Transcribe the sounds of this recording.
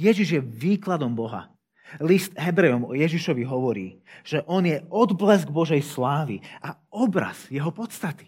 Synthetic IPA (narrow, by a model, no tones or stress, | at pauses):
jɛʒiʒjɛʋiːklad̪ɔmbɔɦa̰ | list̪ɦɛbɾɛɔmɔjɛʒiʃɔʋiɦɔʋɔɾḭːʒ̥ɛʔɔnjɛɔd̪blɛzɡbɔʒɛjslaːʋḭaɔbɾa̰z̥jɛɦɔpɔt̪st̪at̪i̥